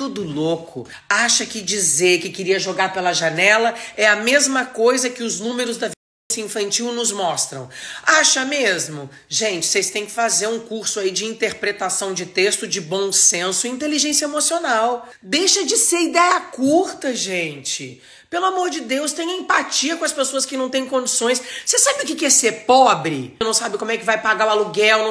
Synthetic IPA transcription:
t̪ud̪ʊlokʰʊ | aʃɐkɪd͡ʒizeɾkɪkɪɾiɐʒoɡaɾpelɐʒanɛlɐɛɐmezmɐkojzɐkɪʊznũmeɾʊzd̪ɐvilẽsjɐĩfɐ̃nt͡ʃiwnʊzmɔst̪ɾɐ̰̃w̃aʃɐmezmʊ | ʒẽnt͡ʃɪ̥sejst̪ẽj̃kɪ̥fazeɾũkuɾsʊaid͡ʒɪĩnt̪eɾpɾet̪asɐ̃w̃d͡ʒɪt̪est̪ʊd͡ʒɪbõw̃sẽsʊiĩnt̪eliʒẽsjɐemosionaw | d̪ejʃɐd͡ʒɪseɾid̪ɛjɐkuɾt̪ɐʒẽnt͡ʃɪ | pelʊamoɾd͡ʒɪd̪ewst̪ẽj̃ɐẽmpat͡ʃiɐkõɐspesoɐskɪnɐ̃w̃t̪ẽj̃kõd͡ʒisõj̃ssesabɪʊkɪkɛɾseɾpɔbɾɪnɐ̃w̃sabɪkõmʊɛkɪvajpaɡawaluɡɛwn

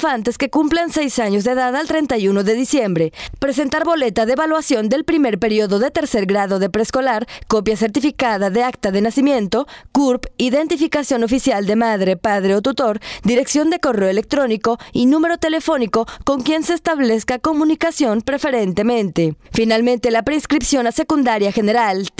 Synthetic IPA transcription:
fant̪e̞ske̞kumplanse̞jsaɲo̞zðeðaðalt̪ɾe̞nt̪ajuno̞ðe̞ðisje̞mbɾe̞pɾe̞s̬e̞nt̪aɾβo̞le̞t̪aðeeβalwasjo̞nd̪e̞lpɾime̞ɾpe̞ɾjoðo̞ðe̞t̪e̞ɾse̞ɾɡɾaðo̞ðe̞pɾe̞sko̞laɾko̞pjase̞ɾt̪ifikað̞aðe̞ak̚t̪aðenasimje̞nt̪o̞kuɾpiðe̞nt̪ifikasjo̞no̞fisjald̪e̞maðɾe̞paðɾe̞ot̪ut̪o̞ɾd̪iɾe̞ksjo̞nd̪e̞ko̞re̞oele̞k̚t̪ɾo̞niko̞inume̞ɾo̞t̪e̞le̞fo̞niko̞ko̞ŋkje̞nsest̪aβleskako̞mũnikasjo̞mpɾe̞fe̞ɾe̞nt̪e̞mẽ̞nt̪e̞finalmẽnt̪elapɾeinskɾipsjo̞nase̞kund̪aɾjaxe̞ne̞ɾal

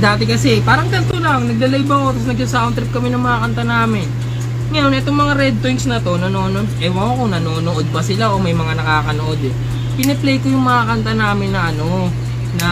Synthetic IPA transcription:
d̪aːt̪ɛkɐsɛpaːɾɐŋt̪ɐlt̪olɐŋnɐɡ̚lɐlɐjbɐko̞t̪ɐs̬nɐɡ̚sɐsaːʔʊnt̪ɾɪp̚kɐmɛnɐŋmɐŋakɐnt̪ɐnaːmɪn | ŋɐjonʔɛt̪o̞ŋmɐŋaɾɛd̪̚t̪iŋsnɐt̪o̞nɐnononʔɛwɐŋɐko̞nɐnoːnoʔo̞d̪̚pɐsɪlaʔo̞mɐjmɐŋanɐkaːkɐnoʔo̞d̪ɛ | pɪnɛplejkojʊŋmɐŋakɐnt̪ɐnaːmɪnːɐʔɐno̞ | nɐ

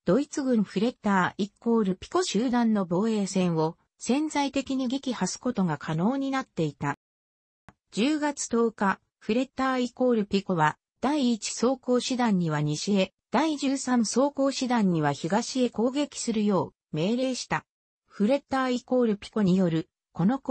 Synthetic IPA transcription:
d̪̥o̞it͡sɨɡɯ̟̃ɰɸɯ̟ɾe̞t̪aːikːo̞ːɾɯ̟pʲi̥ko̞ɕɨːd̪ãnːo̞bo̞ːe̞ːsẽ̞ɰ̃o̞ | sẽ̞nd͡zait̪e̞kʲiɲ̟iɡʲikʲihasɨ̥ko̞t̪o̞ŋakʰano̞ːɲ̟inat̪ːe̞it̪a | d͡ʑɨːɡat͡sɨ̥t̪o̞ːka | ɸɯ̟ɾe̞t̪ːaːiko̞ːɾɯ̟pʲiko̞βa | d̪̥aiːt͡ɕi̥so̞ːko̞ːɕɨd̪ãɲ̟ːiβ̞aɲ̟iɕie̞ | d̪̥aiʑɨːsãɰ̃so̞ːko̞ːɕid̪ãɲ̟ːiβ̞açiɡaɕie̞ko̞ːɡe̞kʲi̥sɨɾɯ̟jo̞ː | me̞ːɾe̞ːɕi̥t̪a | ɸɯ̟ɾe̞t̪aːiko̞ːɾɯ̟pʲi̥ko̞ɲijo̞ɾɯ̟ | ko̞no̞k

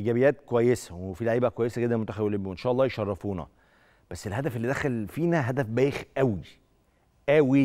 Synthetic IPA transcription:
ʔiːɡæbejæːt̪̚kowæjːesæ̥wefilæʕiːbækowæjːesæɡed̪ːænmot̪æxæbwelebwʔenʃæːʔɑlˤːɑːjeʃɑrˤːɑfuːnɑ̰ | b̥æsːelhæd̪æfelːiːd̪æxælfiːnæɦæd̪æfbæːjexʔæwi | ʔæwi

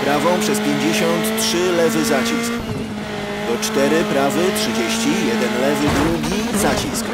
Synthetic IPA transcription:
pɾavɔ̃w̃pʂɛspʲjeɲd͡ʑeɕɔnt̪tʂɘlɛvɘzat͡ɕisk | t̪ɔt͡ʂt̪ɛɾɘpɾavɘtʂɘd͡ʑeɕt͡ɕijɛd̪ɛnlɛvɘd̪ɾuɡʲizat͡ɕisk

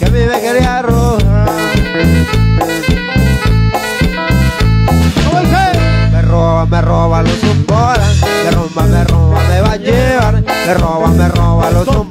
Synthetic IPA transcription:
kemeβekeɾiaro | osemeroβameroβalosumboɾamerombamerombameβad͡ʒeβaɾmeroβameroβaloso

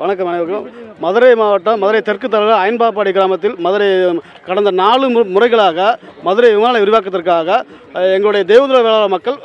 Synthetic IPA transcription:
ʋɐnɐkːɐmʋɐnɐɪʋɐkːɐmmɐðɯɾɐɪmaːʋɐʈːɐmmːɐðɯɾɐɪt̪ɛrkɯt̪̬ːɐlɐɾɐɐjɪnbaːp̬ːaːɽiɡɪɾaːmɐt̪ːɪlmɐðɯɾɐ | kɐɽɐnd̪ɐnaːɭɯmʊrɐɪɣɐɭaːɣɐmɐðɯɾɐʋɪmaːnɐɪʊɾʊʋaːk̬ːɐðɐrkaːɣɐ | ɛŋɡɐɭɯɽɐjɐd̪eːʋɐðɯɾɐlɐʋeːɭaːɾɐmɐkːɐɭ

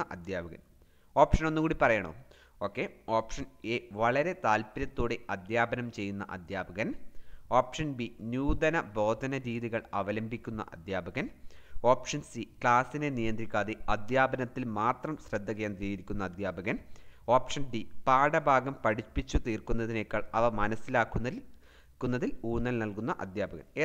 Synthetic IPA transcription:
ɐʔɐd̪ʱjaːbɐɣɐ̰n | o̞ːpʂɐno̞nːukuːɽipɐrɐjɐɳo̰ː | o̞ːkːe̞oːpʂɐneːʋɐɭɐɾe̞t̪aːlpiɾɐt̪ːoːɽe̞ʔɐd̪ʱjaːbɐnɐmt͡ɕe̞jːunːɐ̰ʔɐ̰d̪ʱjaːbɐɣɐno̞ːpʂɐnbinjuːd̪ɐnɐbo̞ːd̪ʱɐnɐɾiːðiɣɐɭɐʋɐlɐmbʱikʲːunːɐ̰ʔɐ̰d̪ʱjaːbɐɣɐno̞ːpʂɐnsikɭaːsine̞nijɐnd̪rikʲːaːðeɐd̪ʱjaːbɐnɐt̪ːilmaːt̪rɐmsrɐd̪ʱːɐkeːnd̪rijiɾikʲːunːɐːd̪ʱjaːbɐɣɐnoːpʂɐnɖipaːɽɐbʱaːɡɐmpɐɽipːit͡ɕːut̪iːrkunːɐðine̞kːaːɭɐʋɐmɐnɐsːilaːkːu | kːunːɐðiluːnːɐlnɐlkunːɐʔɐ̰d̪ʱjaːbɐɣɐ̰ne

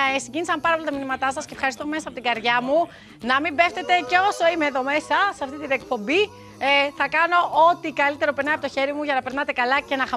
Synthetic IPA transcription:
siɲɟinisɐmpɐɾɐpolit̪ɐminimɐt̪ɐsɐscefxɐɾist̪ome̞sɐːpo̞t̪iɡɐɾðʝɐmu | nɐmimbe̞ft̪e̞t̪e̞ceo̞so̞imeːðo̞me̞sɐsɐft̪it̪inek̚po̞mbi | θɐkɐno̞ʔo̞t̪ikɐlit̪eɾo̞peɾnɐɐpo̞t̪o̞çe̞ɾimuʝɐnɐpeɾnɐt̪ekɐlɐce̞nɐxɐ

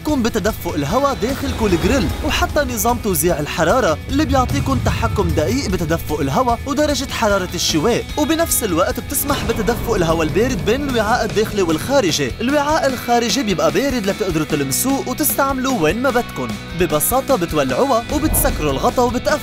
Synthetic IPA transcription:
kuːmbɪt̪ad̪afːʊʔɪlɦawad̪eːxɪlkuːlɪɡɾɪlwħat̪ːanɨzˤɑːmt̪owziːʕɪlħɑɾˤɑːɾˤɑʔɪlːibjʊʕt̪ˤiːkʊnt̪aħakːʊmd̪aʔiːʔbɪt̪ad̪afːʊʔɪlɦawawd̪ɑɾˤɑʒɪt̪ħɑɾˤɑːɾˤɑʃːɪweːʔwbɪnafsɪlwaʔt̪b̚t̪ɪsmaħbɪt̪ad̪afːʊʔɪlɦawalbeːɾɪd̪̚beːnɪlwɪʕaːʔɪd̪ːeːxlewɪlxaːɾɪʒeʔɪlwɪʕaːʔɪlxaːɾɪʒebjɪbʔabeːɾɪd̪lat̪ɪʔd̪ɾʊt̪ɪlmsuːʔwt̪ɪst̪aʕmluweːnmabat̪kʊn | bɪbɑsɑːt̪ˤɑbɪt̪walːʕʊwawbɪt̪sakːɾulɣɑt̪ˤɑwbɪt̪ʔaf

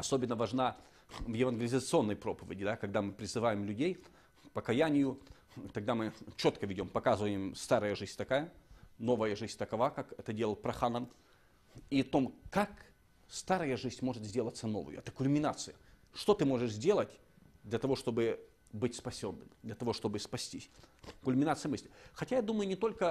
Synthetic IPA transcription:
ɐso̞bʲɪnːəvɐʐna | vjɪvɐnɡʲɪlʲɪzət̪sɨo̞nːəjpɾo̞pəvʲɪ̰dʲɪd̪akɐɡ̚d̪amɨpɾʲɪzɨvajɪmlʲʉdʲej | pəkɐjanʲɪjʊ | t̪ɐɡ̚d̪amɨt͡ɕo̞t̪kəvʲɪdʲo̞mpɐkazɨvəjɪmst̪aɾəjəʐɨzʲt̪ɐkajəno̞vəjəʐɨzʲt̪ɐkɐvakakɛt̪ədʲe̞lˠəlˠpɾɐxanəm | it̪o̞mkak | st̪aɾəjəʐɨzʲnʲmo̞ʐɨt̪zʲdʲelˠət̪səno̞̰vɨ̰jʊ̰ɛt̪ə̥kʊlʲmʲɪnat̪sɨjəʂt̪o̞t̪ɨmo̞ʐɨʂzʲdʲe̞lˠətʲ | d̪lʲɐt̪ɐvo̞ʂt̪o̞bɨ | bɨtʲspɐsʲo̞nːɨ̰md̪lʲɐt̪ɐvo̞ʂt̪obɨspɐsʲtʲisʲkʊlʲmʲɪnat̪sɨjəmɨsʲlʲɪxɐtʲajad̪uməjʊnʲɪt̪o̞lʲkə

